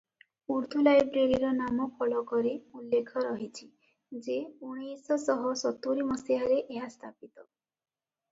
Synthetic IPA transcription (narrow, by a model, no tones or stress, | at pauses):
uɾd̪ʱulajbɾeɾiɾɔnamɔkʰɔɭɔkɔɾeulːekʰɔɾɔɦit͡ʃʰi | d͡ʒeuɽ̃isɔsɔɦɔsɔt̪uɾimɔsiɦaɾeʔeɦast̪ʰapit̪ɔ